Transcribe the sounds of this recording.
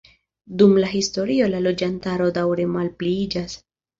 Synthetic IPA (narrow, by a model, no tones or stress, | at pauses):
dumlaɦisto̞ɾio̞lalo̞d͡ʒantaɾo̞dawɾe̞malpliid͡ʒas